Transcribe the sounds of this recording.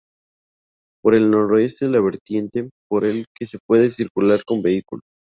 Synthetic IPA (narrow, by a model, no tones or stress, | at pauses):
po̞ɾe̞lnoɾoest̪eðelaβ̞e̞ɾt̪je̞nt̪e̞po̞ɾelkese̞pwe̞ðesiɾkulaɾko̞mbe̞ikulo